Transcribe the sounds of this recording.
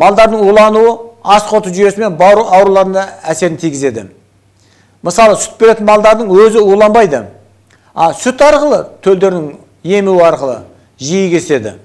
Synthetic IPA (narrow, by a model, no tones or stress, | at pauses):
mɑlˠd̪ɑɾd̪əɴulˠɑnuəɑsqʰo̞t̪əʒʏje̞sɪme̞nbɑɾuɑwɾulˠɑɾənd̪ɑæse̞ɾɪnt̪ʰijɡʲɪze̞d̪ɪ̰ | məsɑlˠəsʏ̥t̪̚be̞ɾe̞t̪ɪnmɑlˠd̪ɑɾd̪əɴwɵzɪulˠɑnbɑjd̪ə | ɑsʏt̪ɑɾqəlˠət̪ʰɵld̪e̞ɾnɪŋ | je̞muwɪɑɾqəlˠə̰ | ʒijɪɡʲe̞se̞d̪ɪ̰